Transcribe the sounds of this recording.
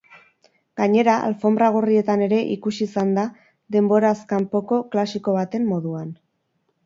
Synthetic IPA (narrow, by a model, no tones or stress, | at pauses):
ɡ̥aɲe̞ɾaʔa̰lfo̞mbɾaɣ̞orie̞t̪ane̞ɾe̞ʔikusisand̪a | ðe̞mbo̞ɾaskampo̞ko̞klasiko̞β̞at̪e̞mːo̞ðuan